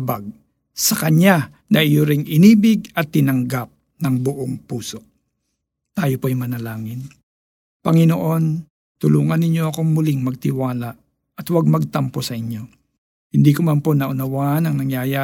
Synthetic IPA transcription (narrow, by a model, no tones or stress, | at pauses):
baɡ̚ | sɐkɐɲa | nɐʔɪjoɾɪŋʔɪniːbɪɡ̚ɐt̪ːɪnɐŋɡap̚ | nɐŋbʊʔoŋpuːso̞ | t̪aːjopoɐjmɐnɐlaːŋɪn | pɐŋɪnoʔo̞n | t̪ʊluːŋɐnːɪɲo̞ɐko̞ŋmʊlɪŋmɐɡ̚t̪ɪwaːlaʔ | ɐt̪waɡ̚mɐɡ̚t̪ɐmpo̞sɐʔɪɲjo̞ | hɪnd̪iːkomɐmpo̞nɐʔʊnɐwaʔnɐŋnɐŋjaːja